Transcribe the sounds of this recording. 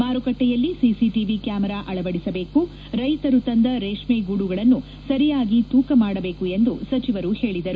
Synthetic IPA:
maːɾukɐʈːɛjɐlːisisiʈiʋikjaːmɛɾaːʔɐɭɐʋɐɽisɐbe̞ːku | ɾɐjt̪ɐɾut̪ɐnd̪ɐɾeːʂmeːɡuɽuɡɐɭɐnːu | sɐɾijaːɡit̪uːkɐmaːɽɐbe̞ːkue̞nd̪usɐt͡ʃiʋɐɾuhe̞ːɭid̪ɐɾu

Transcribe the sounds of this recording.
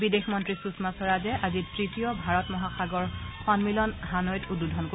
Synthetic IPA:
bidexmɔntɹisusmasɔɹazɛʔazitɹitijɔbʱaɹɔtmɔɦaxaɡɔɹxɔnmilɔnɦanɔjtududʱɔnko

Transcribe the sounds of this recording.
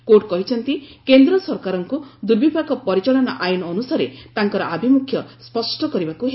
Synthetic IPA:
koʈ̚kɔɦit͡ʃʰɔnt̪ikend̪ɾɔsɔɾkaɾɔŋkud̪uɾbipakɔpɔɾit͡ʃɔɭɔnaʔajinːnusaɾet̪aŋkɔɾɔʔabʱimukʰjɔspɔsʈɔkɔɾibakuɦe

